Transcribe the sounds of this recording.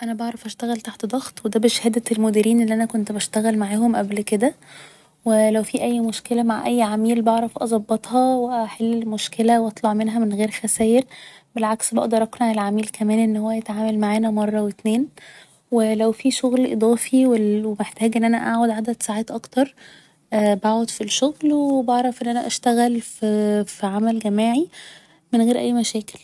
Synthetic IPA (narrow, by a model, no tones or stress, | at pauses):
ʔænæbɑʕɾˤɑfʔæʃt̪æɣælt̪aħt̪d̪ˤɑɣt̪ˤwed̪æːbeʃhæːd̪æt̪elmod̪iːɾiːnʔelːiʔænækont̪bæʃt̪æɣælmaʕaːɦomʔæblked̪æ | welæwfiːʔæjːmoʃkelæmaʕʔæjːʕamiːlbɑʕɾˤɑfʔɑzˤɑbːɑt̪ˤhɑweʔæħelːelmoʃkelæwʔɑt̪ˤlɑʕmenɦæmenɣeːɾxæsæːjeɾbelʕaksbɑ̰ʔd̪ˤɑɾˤʔɑknʕælʕamiːlkʰæmæːnʔenːhowːæjet̪ʕaːmælmaʕaːnæmɑrˤːɑwet̪neːn | welæwfiʃoɣlʔḛd̪ˤɑːfiwewemeħt̪æːɡʔenːʔænæʔa̰ʕʕod̪ʕad̪æd̪saʕaːt̪ʔɑkt̪ɑɾˤ | ʔːbaːʕod̪fiʃoɣlwebɑʕɾˤɑfʔenːʔænæʔæʃt̪æɣælfifiʕamælɡæmiːʕi | menɣeːɾʔæ̰jːmæʃæːke̥l